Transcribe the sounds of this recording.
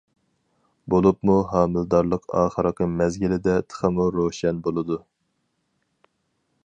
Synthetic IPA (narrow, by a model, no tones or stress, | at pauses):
bolˠupmuɦɑːmɪld̪ɑɾlˠəqʰɑ̰ːχəɾəqəmɛzɡʲilɪd̪ɛt̪ʰə̥χəmuɾoʃɛnbolˠɨd̪u